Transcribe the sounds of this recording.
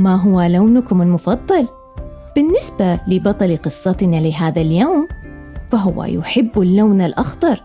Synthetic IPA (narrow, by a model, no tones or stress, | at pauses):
maɦʊwalawnʊkʊmɪlmʊfɑðˤːɑl | b̥ɪnːɪsbalɪbɑt̪ˤɑliqɨsˤːɑt̪ɪnalɪɦaːðaljaːm | faɦʊwa̰jʊ̰ħɪbːɪlːawnalʔɑxt̪ˤɑɾˤ